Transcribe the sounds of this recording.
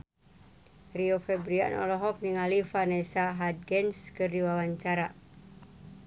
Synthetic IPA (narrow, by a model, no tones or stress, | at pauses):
riofɛbɾia̰nɔ̰lɔɦɔk̚niŋalifanɛsaɦad̚ɡɛnskɨrdiwawaɲt͡ʃaɾa